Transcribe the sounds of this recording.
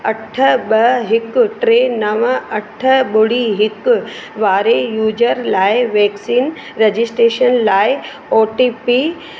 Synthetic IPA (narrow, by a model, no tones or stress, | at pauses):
ɐʈʰɓɐɦɪkʈɾeːnɐʋəɐʈʰəɓʊɽiːɦɪkʋaːɾejuːd͡ʒəɾlaːɪʋeːksiːn | ɾed͡ʑɪsʈɾeːʃənlaːɪ | oːʈiːpi